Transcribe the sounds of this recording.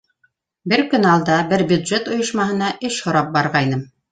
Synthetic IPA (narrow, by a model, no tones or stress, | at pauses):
bɘɾkɵ̆nɑlˠd̪ɑbɘɾbʲjʉd̪ʒet̪ŏjŏʃmɑhɤ̆nɑʔɘʃhŏɾɑp̚bɑɾʁɑjnɤm